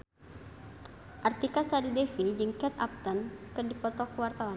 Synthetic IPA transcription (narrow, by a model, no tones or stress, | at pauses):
ʔart̪ikasadidɛfid͡ʒɨŋkɛt̪ap̚t̪ənkɨrdipɔt̪ɔkəwart̪awan